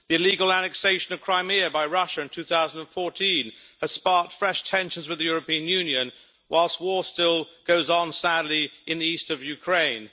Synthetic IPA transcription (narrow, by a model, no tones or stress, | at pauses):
ðiɨliɡəl̩ˠænɨkseɪʃɨ̃nʌv̥kʰɹ̥ãɪ̃mɪɨbaɪɹʌʃɨɨ̃ntʰʉθaʊzə̃n̩də̃nfɔɹtʰĩnɨz̥spɑɹk̚tfɹɛʃtʰɛ̃nʃɨ̃n̩zwɨðɨjʊɹɨpĩɨ̃njʉ̃njɨ̃n | waɪlˠst̚wɔɹstɪlˠɡ̥oʊzn̩sædˡliɨ̃nðiistʌvjʉkʰɹ̥ẽɪ̃n